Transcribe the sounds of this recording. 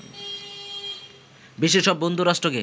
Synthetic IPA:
biʃeʃɔbːond̪ʱuɾaʃʈɾoke

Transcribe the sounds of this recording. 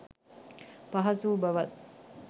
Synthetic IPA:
pɐɦɐsubɐʋɐt̪

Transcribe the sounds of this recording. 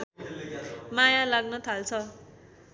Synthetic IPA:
majalaɡnʌt̪ʰalt͡sʰʌ

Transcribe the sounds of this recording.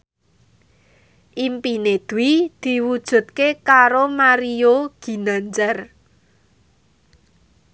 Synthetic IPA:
ʔimpined̪̥uwid̪̥i̤wud̥ʒ̥ṳt̪̚kekaɾomaɾioɡ̥i̤nand͡ʒər

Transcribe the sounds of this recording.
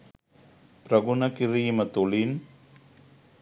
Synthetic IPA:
pɾəɡunakiɾimət̪ulin

